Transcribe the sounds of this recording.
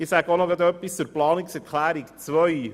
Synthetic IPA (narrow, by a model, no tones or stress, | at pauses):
ɪsæɡəonoɡɑd̪œpːist͡suɾplɑːniksɛɾkʰlæːɾikt͡svœj